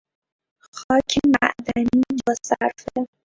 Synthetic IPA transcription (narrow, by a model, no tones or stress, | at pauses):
xɒːcʰemæʔd̪æniːbɒːsæɾfe